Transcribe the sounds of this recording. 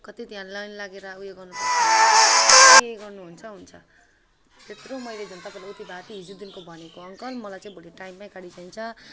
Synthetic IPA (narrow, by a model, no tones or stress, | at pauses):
kʌt̪it̪iɦanlʌjnlaɡeɾʌujeɡʌrnupʌ | keɡʌrnuɦunt͡sʰʌɦunt͡sʰʌ | t̪et̪romʌjled͡zʌnt̪akolaot̪ibat̪iɦid͡zud̪inkobʱʌnekoʌŋkʌlmʌlajt͡sãĩboɽiʈajmːãkaɽit͡sant͡sʰʌ